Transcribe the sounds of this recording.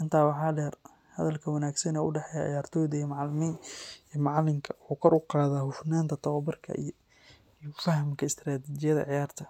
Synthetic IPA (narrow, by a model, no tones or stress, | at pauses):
ʔɪnt̪ʰaːwɑħɑːɖɛr | hɐ̰ðɐlkʰɐwɐnaːɡsɐnɛʊɖɛħɛjaʕɪ̰jaːrt̪ʰɔːðɐijmɑʕɑlɪminijɔmɑʕɑlɪmkʰɐwʊħuːkʰɐɾʔʊqɑːðaːhʊfnaːnt̪ʰɐt̪ʰɐwɐbɐrkʰɐ̰i | ijɔfɐhmkʰɐɪst̪ɾaːt̪ʰɪt͡ʃɪjɐðɐ̰ʕɪjaːrt̪ʰɐ